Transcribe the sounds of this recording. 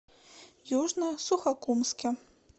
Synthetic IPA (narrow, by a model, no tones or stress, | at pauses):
jɔʐnɐsuxakumskʲɛ